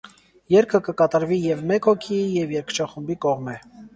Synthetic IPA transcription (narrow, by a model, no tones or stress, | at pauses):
jɛɾkʰəkəkɑt̪ɑɾvijɛvmɛkhɔkʰijɛvjɛɾkʰt͡ʃʰɑχumbikɔʁmɛ